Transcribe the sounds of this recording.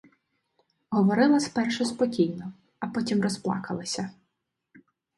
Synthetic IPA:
ɦɔʋɔɾɪlˠɐspɛrʃɛspɔkʲijnɔ | ɐpɔtʲimrɔsplˠɑ̰kɐlˠɪsʲɐ

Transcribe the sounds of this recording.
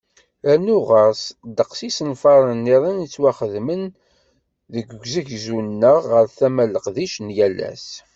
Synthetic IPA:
ænʊʁəsd̪əqsisənfɑɾˤənːiɾˤinit͡sːwæχəðmən | ðəɡɡʷzəʝzunːəʁəɾθæmæləqðiʃnjælæ̰s

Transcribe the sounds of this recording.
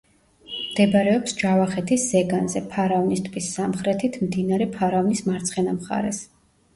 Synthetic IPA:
md̪̥ɛbɾɛɔpsd͡ʒavaχɛt̪ʰisːɛɡanzɛpʰaɾavnist̪ʼpʰisːamχɾɛt̪ʰit̪ʰmd̪inaɾɛpʰaɾavnismaɾt̪sʰχɛnamχa̰ɾɛs

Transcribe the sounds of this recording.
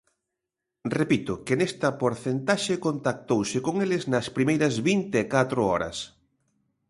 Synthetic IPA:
repit̪ʊkɪnest̪ɐpoɾθent̪aʃɪkont̪ak̚t̪owsɪkoŋelɪznɐspɾimejɾɐzβint̪eɛkat̪ɾʊɔ̰ɾɐ̰s

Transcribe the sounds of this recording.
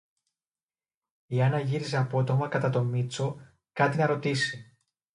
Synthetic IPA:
iɐnɐʝiɾize̞ɐpo̞t̪o̞mɐkɐt̪ɐt̪o̞mit͡so̞ | kɐt̪inɐɾo̞t̪isi

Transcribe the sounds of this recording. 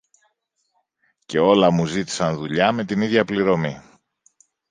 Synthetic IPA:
ce̞o̞lɐmuzit̪i̥sɐnðuʎɐme̞t̪iniðʝɐpliɾo̞mi

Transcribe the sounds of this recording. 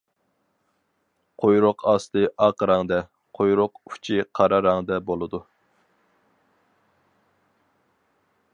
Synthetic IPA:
qʰojɾoqʰɑst̪ɨʔɑqəɾɑŋd̪ɛ | qʰojɾʊqu̥t͡ʃʰiqʰɑɾɑɾɑŋd̪ɛbolˠɨd̪u

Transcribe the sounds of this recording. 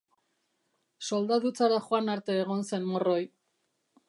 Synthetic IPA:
so̞ld̪aðut͡saɾaχoanaɾt̪e̞ːɣ̞o̞nse̞nmoro̞j

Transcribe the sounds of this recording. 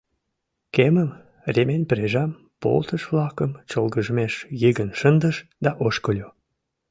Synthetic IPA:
keməm | rʲemenʲpɾeʒɑm | po̰lt̪əʃβlɑkəmt͡ɕolɣəʒəmeʃjiɣənʃənd̪əʃd̪ɑʔoʃkəlʲo

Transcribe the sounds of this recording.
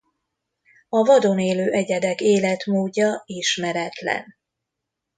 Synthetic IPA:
ɒvɒd̪o̞neːløːʔɛɟɛd̪ɛkeːlɛt̪moːɟːɒiʃmɛɾɛt̪lɛ̰n

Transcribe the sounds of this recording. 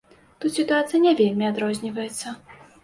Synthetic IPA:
t̪ut̪sʲit̪uat̪sɨjɐnʲɛvʲelʲmʲiad̪ɾɔzʲnʲivɐjɛt̪sːɐ

